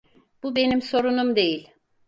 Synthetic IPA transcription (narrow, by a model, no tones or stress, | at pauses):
b̥ube̞nimso̞ɾunumd̪e̞jilʲ